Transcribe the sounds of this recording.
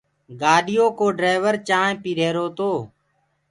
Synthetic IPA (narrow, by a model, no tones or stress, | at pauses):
ɡaːɗɪjoːkoːɖɾaːʋəɾt͡ʃãːpiːɾeːɾoːt̪oː